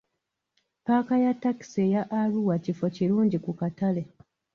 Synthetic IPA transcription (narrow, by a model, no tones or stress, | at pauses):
paːkajatːaki̥se̞jaʔːluwacifo̞ciɾuːɲɟikukatale̞